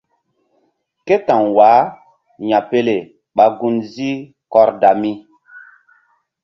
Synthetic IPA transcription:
ke˦tã˨ŋwaː˨˦ | ɲa˨pe˦le˨ | ɓa˨ɡu˦nzi˦ | kɔ˦ɾda˨mi˦

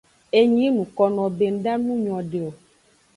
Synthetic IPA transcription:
e˦ɲĩ˨˦nũ˨kɔ˨nɔ̃˨be˨n̩˦ɖa˦nũ˦ɲɔ̃˨ɖe˨o˨

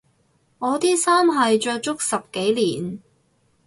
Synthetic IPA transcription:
ŋɔː˨˧t̪iː˥saː˥mɦɐ˨jt͡ʃœː˧k̚t͡ʃʊ˥k̚sɐ˨p̚ke˨˥jliː˨˩n

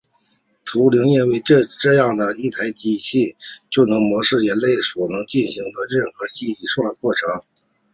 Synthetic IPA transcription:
t̪ʰu˧˥li˧˥ŋjɛ˥˧nwe˥˧ɪʈ͡ʂʈ͡ʂɤ˥˧jɑ˥˩ŋd̪ə˩i˥˩t̪ʰa˧˥ɪt͡ɕi˧˥ɕʰi˥˩t͡ɕjo˥˩ʊnɤ˧˥ŋmwɔ˧˥ʂɻ̩˥˩jɛ˧˥nle˥˩ɪswɔ˨˩nɤ˧˥ŋt͡ɕi˥˩nɕi˧˥ŋd̪ə˧ɻə˥˩nxɤ˧˥t͡ɕi˥˧i˥˩ʂwa˥˧˩kwɔ˥˩ʈ͡ʂʰɤ˧˥ŋ

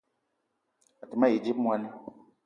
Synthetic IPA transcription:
a˨ti˨ma˦ji˨d͡ʒi˦pmwa˦n˦

